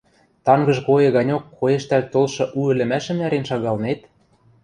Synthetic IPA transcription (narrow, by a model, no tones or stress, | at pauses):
t̪ɑŋɡɤ̆ʒkojɤ̆ɣɑnʲokʰːojeʃt̪ælt̪olʃɤ̆ʔuɘ̆lɘ̆mæʃɘ̆mnæɾenʃɑɣɑlnet̪